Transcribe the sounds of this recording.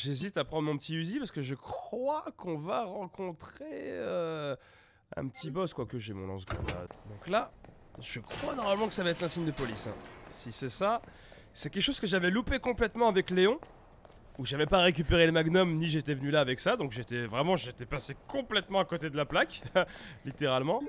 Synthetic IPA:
ʒezit̪apχɑ̃d̪ʁmɔ̃pət̪iyzipaʁsə̥kəʒəkχwakɔ̃vaʁɑ̃kɔ̃t̪χeø | ɛ̰̃pət̪ʰibɔskwakəʒemɔ̰̃lɑ̰̃sɡɔ̰ma̰d̪ɔ̃kla | ʒ̥əkχwanɔʁmaləmɑ̃kə̥savaɛt̪χlɛ̃siɲd̪əpɔlisɛ̰̃sisɛsa | sɛkʲɛkʃoz̥kəʒavɛlupekɔ̃plɛt̪mɑ̃avɛkleɔ̃ | uʒavɛpaʁek̬ʲypeʁeləmaɡnɔmniʒet̪ɛvənylaːvɛksad̪ɔ̃kʒet̪ɛvʁɛmɑ̃ʒet̪ɛpasekɔ̃plɛt̪mɑ̃akot̪ed̪əlaplaklit̪eʁalmɑ̃

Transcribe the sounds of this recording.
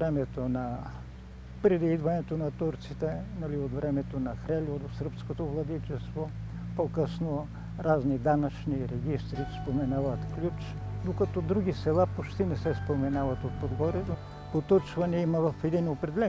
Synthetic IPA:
vɾɛmɛt̪onɐ | pɾɛd̪iid̪vɐnɛt̪onɐt̪uɾt̪sit̪ɛnɐliot̪vɾɛmɛt̪onɐxɾɛlʲod̪osəɾpskot̪ovlˠɐd̪it͡ʃɛst̪vo | pokɤsno | ɾaznid̪anɐt͡ʃniɾɛɡist̪ɾispomɛnavɐt̪klʲut͡ʃ | d̪okɐt̪ɔd̪ɾuɡʲisɛlˠapot͡ʃt̪inɛsɛspomɛnavɐt̪ot̪̚pod̪ɡɔɾio | pot̪ɔt͡ʃvɐniimɐvɐfɛd̪inopɾɛd̪ɛlɛ

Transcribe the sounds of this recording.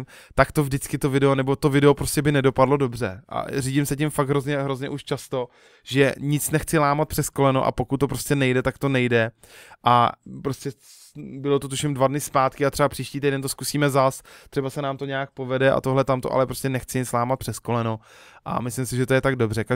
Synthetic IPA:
t̪akt̪o̞vdɪt͡skɪt̪ovɪdɛonɛbo̞t̪ovɪdɛopɾoscɛbɪnɛdo̞padlo̞do̞br̝ɛʔa̰riːɟɪmsɛcɪmfaɡɦɾozɲɛɦɾozɲɛ̰ʔuʃt͡ʃast̪o̞ | ʒɛɲɪt͡snɛxt͡sɪlaːmat̪̚pr̝̥ɛsko̞lɛnoʔa̰po̞kut̪ːop̬ɾo̞scɛnɛjdɛt̪akt̪o̞nɛjdɛ | ʔapɾo̞scɛ | bɪlot̪ot̪uʃɪmdvadnɪspaːt̪kɪat̪r̥ɛbapr̥iːʃciːt̪ijdɛnt̪oskusiːmɛzast̪r̥ɛbasɛnaːmt̪o̞ɲɛak̚po̞vɛdɛʔa̰t̪oɦlɛt̪amt̪oʔa̰lɛpɾoscɛnɛxt͡sɪɲɪt͡slaːmat̪̚pr̥ɛsko̞lɛno | ʔa̰mɪslɪmsɪʒɛt̪ojɛt̪aɡ̚do̞br̝ɛka

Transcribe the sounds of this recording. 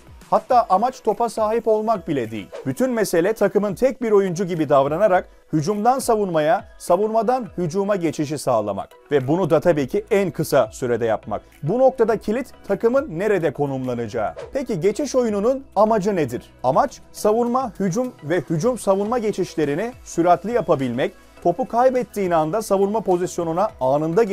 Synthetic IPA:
hat̪ːaːʔamat͡ʃt̪ʰo̞pʰasaːɦipo̞lˠmak̚bilʲɛd̪ijḭlʲbyt̪ʰynmese̞lʲɛt̪ʰakʰɯmɯnt̪ʰɛc̚biɾo̞jund͡ʒuɟibid̪avɾanaɾak | hyd͡ʒumd̪ansavunmajasavunmad̪anhyd͡ʒuːmaɟe̞t͡ʃʰiʃ̬isaːlˠa̰ma̰k | vɛbunud̪at̪ʰabiːcʰiænkʰɯsasyɾed̪ɛja̰pma̰k̚ | buno̞k̚t̪ʰad̪acʰilʲit̪tʰːakɯmɯnːe̞ɾed̪ɛkʰo̞numlˠanɯd͡ʒa̰ːɯ̰pʰeciɟe̞t͡ʃʰiʃo̞junununamad͡ʒɯned̪iɾ̥amat͡ʃ | savunmahyd͡ʒumvɛhyd͡ʒumsavunmaɟe̞t͡ʃʰiʃlʲe̞ɾinɪsyɾat̪lʲijapabilʲmɛc | kʰo̞pukʰajbɛt̪ʰːiːnand̪asavunmapʰo̞zisjo̞nunaaːnɯnd̪a

